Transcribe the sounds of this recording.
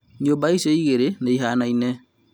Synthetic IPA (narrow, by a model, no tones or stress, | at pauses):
ɲobaisɔiɣeɾeneiɦanainɛ